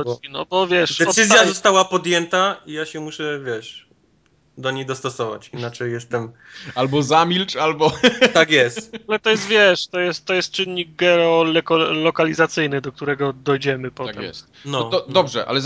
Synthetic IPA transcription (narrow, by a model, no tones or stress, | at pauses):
ɔinɔ̰bɔvjɛʂd̪ɛɔsɘzjazɔst̪awapɔd̪jɛnt̪aijaɕɛmuʂɛvʲjɛʂ | d̪ɔɲejd̪ɔst̪ɔsɔva̰t͡ɕinat͡ʂɛjːɛst̪ɛm | albɔzamʲilt͡ʂalbɔt̪akjɛst̪alɛt̪ɔjɛst̪vʲjɛʂt̪ɔjɛst̪t̪ːɔjɛst̪̚t͡ʂɘnʲːiɡ̚ɡɛɔlɛkɔlɔkalʲizat̪sɘjnɘd̪ɔk̚t̪uɾɛɡɔd̪ɔjd͡ʑɛmɘpɔt̪ak̪ɛɛ̰s | nɔɔd̪ɔbʐɛ̰ʔa̰lɛ